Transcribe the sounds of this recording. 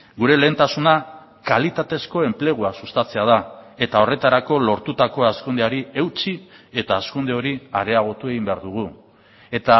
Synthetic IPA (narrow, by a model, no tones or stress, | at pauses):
ɡuɾe̞le̞ːnt̪asuna | kalit̪at̪e̞sko̞e̞mple̞ɣ̞uasust̪at͡se̞að̞ae̞t̪ao̞re̞t̪aɾako̞lo̞ɾt̪ut̪ako̞askund̪eaɾie̞wt͡sie̞t̪aːskund̪e̞o̞ɾiaɾe̞aɣ̞o̞t̪ue̞ɣimbe̞aɾðuɣ̞u | e̞t̪a